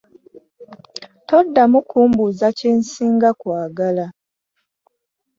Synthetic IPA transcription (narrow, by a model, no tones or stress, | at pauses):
to̞dːamukʰuːmbuzaceːnsiːŋɡakwaːɡala